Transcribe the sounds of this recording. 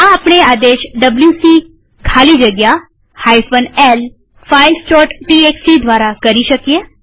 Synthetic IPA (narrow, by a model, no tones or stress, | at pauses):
ãɐpɳeaːd̪eːʃɖəbljuːsiː | kʰaːlid͡ʒɐɡja | haːjsʋənɛl | fʰaːɪlsʈɔːʈʈiːeːksid̪ʋaːɾakɐɾiʃəkieː